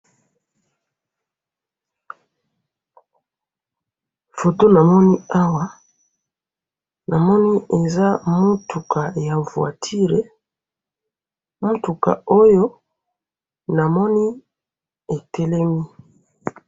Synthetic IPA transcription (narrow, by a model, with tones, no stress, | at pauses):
fo˨to˦na˨mɔ˦ni˦a˦wa˦ | na˨mɔ˦ni˦e˨za˦mu˦tʰu˨kʰa˨ja˨vwa̰˨tʰi˦ʁe˨˦ | mu˦tu˨ka̰˨o˦jo˦ | na˨mɔ˦ni˦ | e˨tʰɛ˦lɛ˦mi˦